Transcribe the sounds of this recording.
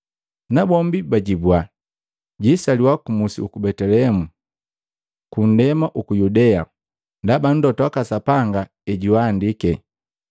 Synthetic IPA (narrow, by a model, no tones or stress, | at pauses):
nabɔmbibaɟibwa | ɟisaliwakumusḭukubɛtɛlɛɛmu | kun̩dɛmaʔukujudɛa | ndaban̩dɔtwakasapaŋɡa | ɛɟiwaːndikɛ